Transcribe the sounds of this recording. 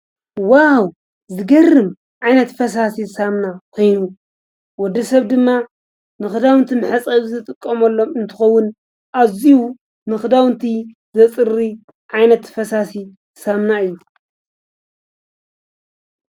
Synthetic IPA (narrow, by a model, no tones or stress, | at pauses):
waw | zɨɡɐrːɨm | ʕajnɐt̪fɐsasisamnakʰo̞jnu | wɔd̪ːɐsɐβd̪ɨmːa | nɨxɨd̪awɨnt̪ʰimɨħat͡sʼɐzɨt̪ʼɨkʼːɐmɐlːo̞mɨnt̪ʰɨ̥xɐwːʊn | ʔaziwu | mɨxɨd̪awɨnt̪ʰi | zɐt͡sʼɨɾːi | ʕajnɐt̪fɐsasi | samnaɨjːu